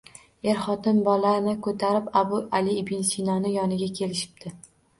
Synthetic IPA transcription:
e̞ɾχɒt̪ɪnbɒlaɾnɪkʰɵt̪ʰaɾɪpabʊʔalɪːbɪnsinɒnɪjɒnɪɡʲakʲʰe̞lɪʃɪ̥b̚d̪̥ʰɪ

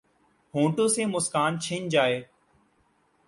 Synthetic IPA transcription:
hõːʈoːsẽːmʊskaːnt͡ʃʰɪnd͡ʒaːeː

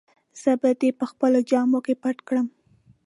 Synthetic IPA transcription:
z̥əbad̪epəxpəlod͡ʒɑmokepaʈkɽəm

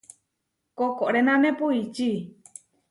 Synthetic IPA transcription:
kokoʔɾenãnẽpuit͡ʃi

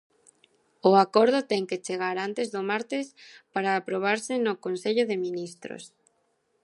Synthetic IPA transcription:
ʊakoɾð̞ʊt̪ɛŋket͡ʃeɣ̞aɾant̪ezðʊmaɾt̪ɪspaɾaːpɾoβ̞aɾsɪnʊkonseʎʊðɪminist̪ɾo̰s

